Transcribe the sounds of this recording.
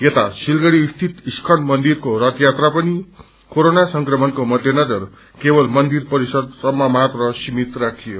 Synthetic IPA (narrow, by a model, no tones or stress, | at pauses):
jet̪asilɡʌɽiust̪ʰit̪iskʰʌnmʌnd̪irkoɾʌt̪jat̪rapʌni | koɾonasʌŋkrʌmʌnkomʌd̪ʱjʌnʌd͡zʌr | kebʌlmʌnd̪irpʌɾisʌd̪̚sʌmːamat̪rʌsimit̪rak̚t̪ʰijo